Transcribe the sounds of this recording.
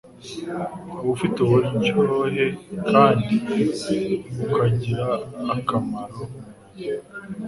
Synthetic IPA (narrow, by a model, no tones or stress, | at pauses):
ufitehoɾiɲt͡ʃoɦe̞kʰaːndii | ukaɟiɾaːkamaɾo